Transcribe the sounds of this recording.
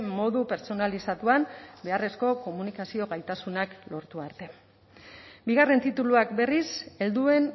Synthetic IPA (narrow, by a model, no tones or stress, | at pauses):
mo̞ðupe̞ɾt͡so̞nalisat̪uambe̞are̞sko̞ko̞munikasio̞ɣajt̪asunaklo̞ɾt̪uaɾt̪e̞ | biɣare̞nt̪it̪uluakbe̞rise̞ld̪ue̞n